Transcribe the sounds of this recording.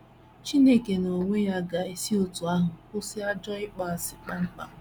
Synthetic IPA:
t͡ʃi˦ne˦ke˨no˨ŋʷe˦ja˦ɡa˨i˨si˦o˨tu˨a˦ɦʊ˨kʊ˦sɪ˦a˦d͡ʒɔ˦ɪ˦k͡pa˨a˨sɪ˨k͡pa˦ŋ͡m̩˦k͡pa̰˨

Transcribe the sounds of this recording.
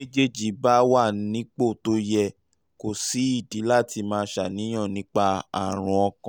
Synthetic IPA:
e˦d͡ʒe˦d͡ʒi˨˦ba˦wa˦˨˦nĩ˦k͡po˦˨to˦jɛ˧˨ | ko˨si˨˦i˦˨di˨˦la˦˨ti˧mãː˦˧˦ʃa˨nĩ˨˦j̃ɔ̃˦˨nĩ˨˦k͡pa˧a̰˨ɾ̃ũ˧ɔ˧kã˨

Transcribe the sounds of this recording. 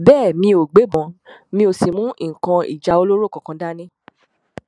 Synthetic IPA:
bɛː˦˨mĩ˧o˨ɡ͡be˨˦bɔ̃˨˧˨mĩ˧o˧si˨mũ˦˨kã˧ḭ˨d͡ʒa˨˧o˧lo˦ɾo˦˨kɔ̃˨kã˧da˦nĩ˦

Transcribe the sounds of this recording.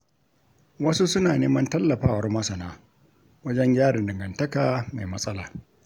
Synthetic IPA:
wɐ˦su˦sʊ˦naː˨neː˦mɐ˦ntɐ˦lːɐ˨ɸaː˦wɐ˨rmɐ˦sɐ˨naː˦ | wɐ˦d͡ʒɛ˦ɲjʲaː˦ɽɪ˨dɪ˨ŋɡɐ˨ntɐ˦kaː˨ma˨jmɐ˦sʼɐ˦laː˨

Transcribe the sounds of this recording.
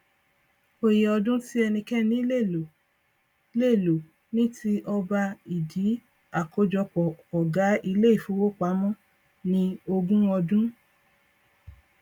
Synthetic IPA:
o˧je˨ɔ˧dũ˦ti˦ɛ˧nĩ˧kɛ˦nĩ˦le˦˨lo˨˦ | le˦˨lo˨ | nĩ˦ti˦ʔɔ˧ba˧i˨di˨˦ | a˦˨ko˧˦d͡ʒɔ˧k͡pɔ˨ɔ˨ɡa˨˦i˧le˦i˦˨fu˨˦wo˦k͡pa˨˦mɔ̃˦ | nĩ˧o˧ɡũ˦ɔ˧dũ˦

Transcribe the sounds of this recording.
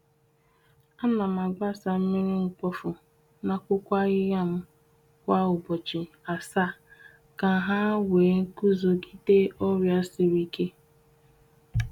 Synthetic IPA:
a˦na˨m˨a˨ɡ͡ba˦sa˨m̩˦mi˦ɾɪ˦ŋ̩˨k͡pɔ˦fʊ˨ | na˨kʷʊ˦kʷa˦ɣɪ˦ɣa˦˨m̩˦ | kʷa˦ʊ˨bɔ˨t͡ʃi˨a˨sa˦˨ | ka˨ɦa˦wʷeː˨˦ŋ̩˦ku˦zo˨ɡi˦te˦ɔ˦ɾja˦sɪ˨ɾi˦ke˦

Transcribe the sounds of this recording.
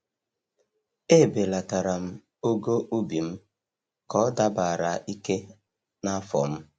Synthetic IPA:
e˦˨be˨la˨ta˨ɾa˨m̩˦ | o˦ɡo˦ʔu˦bi˨m̩˦ | kɔ˦da˦ba˨a˨ɾa˨i˦ke˦ | na˦fɔ̰˨m̩˦

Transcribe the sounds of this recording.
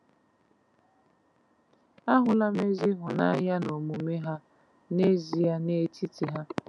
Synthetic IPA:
a˦ɦʊ˨la˦me˦zi˦ɦʊ˨na̰˦ja˦no˨mu˨me˦ɦa˦ | ne˦zi˨ja˦ne˦ti˦ti˨ɦa˦

